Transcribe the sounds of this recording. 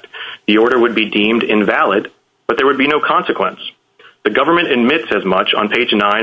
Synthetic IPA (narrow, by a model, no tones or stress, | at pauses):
ðiɔɹɾə˞wɨd̚bidĩmdɪ̃nvælˠɨd̚ | b̥ʌt̪̚ðə˞wɨd̚binoʊkʰɑ̃nsɨkʰwə̰̃ns | ðɨɡʌvə˞mɨ̃ñɨd̚mɪtsɨzmʌt͡ʃn̩pʰeɪd͡ʒnãɪ̃